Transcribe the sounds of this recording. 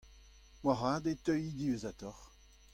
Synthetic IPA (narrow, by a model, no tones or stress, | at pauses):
mwaʁad̪et̪œjid̪ivezat̪ɔʁ